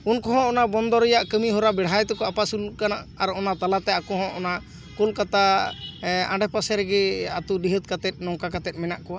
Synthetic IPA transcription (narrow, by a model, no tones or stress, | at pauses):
unkɔɦɔ̃ɔnabɔnd̪ɔɾɛjaʔkəmiɦɔɾabɛɽ̤ajt̪ɛkɔapasulukanaʔaɾɔnat̪alat̪ɛakɔɦɔ̃ʔɔna | kulkat̪a | ãɳɖɛpasɛɾɛɡɛat̪uɖiɦət̪̚kat̪ɛt̪̚nɔŋkakat̪ɛt̪̚mɛnaʔkɔwa